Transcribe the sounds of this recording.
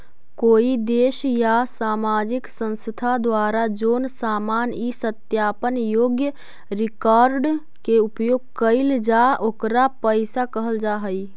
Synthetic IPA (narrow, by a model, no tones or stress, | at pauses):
koːid̪eːʃjasaːmaːd͡ʒɪksə̃nst̪ʰad̪waːɾad͡ʒoːnsaːmaːnisət̪jaːpənjoːɡjə | ɾɪkaːɾɖ | keʊpjoːɡ̚kəɪld͡ʒaʔokɾapəɪsakəɦəld͡ʒaːɦəi